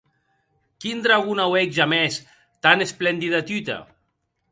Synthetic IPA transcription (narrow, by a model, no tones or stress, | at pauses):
kind̪ɾaɣunawekʒamɛs | t̪anesplend̪iðat̪yt̪a̰